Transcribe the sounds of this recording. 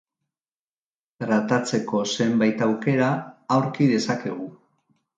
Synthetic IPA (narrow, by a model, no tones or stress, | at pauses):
tɾat̪at͡se̞ko̞se̞mbajt̪awke̞ɾaːwɾkiðe̞sake̞ɣ̞u